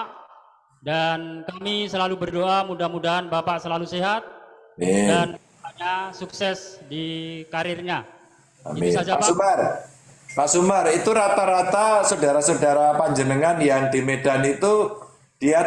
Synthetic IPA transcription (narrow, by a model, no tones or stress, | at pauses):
dankamisəlalubərdoʔamudahmudaɦanbapaʔsəlaluseɦat̪̚edan | aɲasuksɛsdikaɾɪrɲa | a̰misad͡ʒaapaumar | paʔsumarit̪uɾat̪aɾat̪asədaɾasodaɾapaɲd͡ʒənəŋanjaŋdimedanit̪u | d̥ia